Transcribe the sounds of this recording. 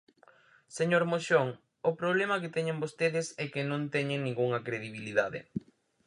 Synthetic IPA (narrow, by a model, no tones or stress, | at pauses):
seɲoɾmoʃoŋ | ʊpɾoβlemɐket̪ɛɲẽŋbost̪eðɪsɛkenõnt̪ɛɲeŋnĩŋɡuŋɐkɾeðiβiliðaðɪ̰